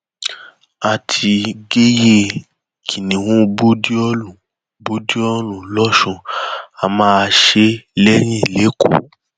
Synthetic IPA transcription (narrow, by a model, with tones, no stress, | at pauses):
a˨tʰi˧ɡe˦je˧ | kʰi˨nĩ˨wũ˦bo˦di˦ɔ˦lũ˨ | bo˦di˦ɔ˦lũ˨lɔ˦ʃũ˧a˧mãː˦˧ʃe˧˦lɛ˦ɾ̃ĩ˦˨le˨˦ko̰˦˨